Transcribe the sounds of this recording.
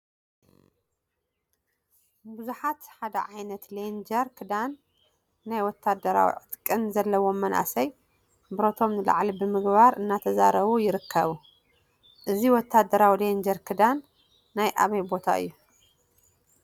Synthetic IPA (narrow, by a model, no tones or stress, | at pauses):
buzuħat̪ħad̪ɐ̰ʕajnɐt̪lend͡ʒɐɾkʰɨd̪anː | ajwɔt̪ʰːad̪ɐɾa̰wḭʕɨt̪kʼːɨnzɐlːɐwo̞mːɐnʔa̰sɐj | bɨɾo̞t̪ʰo̞mnɨla̰ʕlibɨmɨɡβaɾɨnːat̪ʰɐzaɾɐβujɪɾɨkʰːɐβu | ʔɨziwɔt̪ʰːad̪ɐɾawilend͡ʒɐɾkʰɨd̪anː | ajʔa̰βɐjbo̞t̪ʰa̰ɨ̰jːu